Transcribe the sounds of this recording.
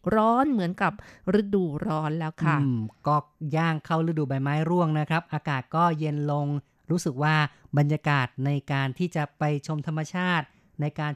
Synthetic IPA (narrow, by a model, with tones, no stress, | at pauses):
ɾɔː˦˥nmɯ˩˦ənka˨˩p̚ɾɯ˧˥duː˨˩ɾɔː˦˥nlɛː˦˥wkʰa˦˥˩kɔː˥˩jaː˥˩ŋkʰa˥˩wɾɯ˧˥duː˨˩ba˨˧˩jmaː˦˥jɾu˥˩əŋna˦˥kʰɾa˦˥p̚ʔaː˧kaː˨˩t̪̚kɔː˥˩je˧nlo˧ŋ | ɾuː˦˥sɯ˨˩k̚waː˥˩ba˧nja˧kaː˨˩t̪̚na˧jkaː˧nt̪ʰiː˥˩t͡ɕa˨˩pa˧jt͡ɕʰo˧mt̪ʰa˧mːa˧t͡ɕʰaː˥˩t̪̚ | na˧jkaː˧n